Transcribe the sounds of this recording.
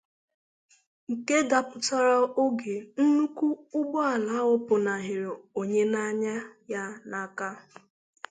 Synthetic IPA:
ŋ̩˨ke˦da˨pʊ˨ta˦ɾɔ˦o˦ɡe˨n̩˦nu˦ku˦ʊ˦ɡ͡bɔ˦a˨la˨˦ʊ˦pʊ˨na˨ɦɪ˨ɾo˨ɲe˦na˦ɲa˦ja˦na˨ka˦

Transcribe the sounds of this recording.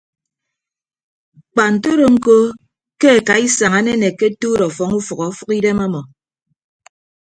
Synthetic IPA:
k͡pa˨n̩˨to˦ɾo˨ŋ̩˦ko˦ | ke˦e˨ka˨i˦sa˨ŋa˨˦ne˦ne˨ke˦tu˦ɾɔ˨fɔ˨ŋu˦fu˨kɔ˨˦fu˦ki˦de˦ma˦mɔ˨

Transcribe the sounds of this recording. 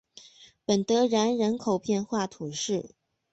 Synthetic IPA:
pə˨˩nt̪ɤ˧˥ɻa˧˥nɻə˧˥nkʰo˨˩ʊpjɛ˥˧nxwa˥˩t̪ʰu˨˩ʂɻ̩˥˩

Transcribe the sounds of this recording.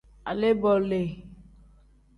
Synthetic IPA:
a̰˨le˦bɔ˨le˨

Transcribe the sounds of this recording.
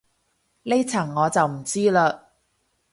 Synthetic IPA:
le˥t͡sʰɐ˨˩ŋːɔː˨˧t͡sɐ˨wm̩˨˩t͡siː˥laː˧

